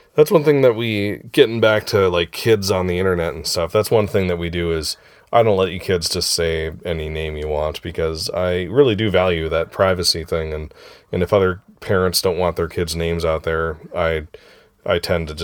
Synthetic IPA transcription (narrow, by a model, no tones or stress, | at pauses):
ðætswʌ̃nθɪ̃ŋðɨt̚wiɡ̥ɛɾɪ̃ŋbæk̚tʰɨlaɪkʰːɪdzn̩ðiɪ̃ɾ̃ə˞nɛɾn̩stʌfðætswʌ̃nθɪ̃ŋðɨt̚widɨɪz | ʔaɪɾõʊ̃nʔlɛt͡ʃə˞kʰɪdzd͡ʒʌstseɪɛninẽɪ̃mjɨwɑ̃ntb̥ɨkʰʌza̰ɪɹɪlˠidɨvælˠjʉðɨt̚pʰɹ̥aɪvɨsiθɪ̃ŋɨ̃nɨ̃nɨfʌðə˞pʰɛɹɨ̃ntsd̥õʊ̃nʔwɑ̃nðə˞kʰɪdznẽɪ̃mzaʊt̪̚ðə˞aɪ | ʔaɪtʰɛ̃ntɨd͡ʒ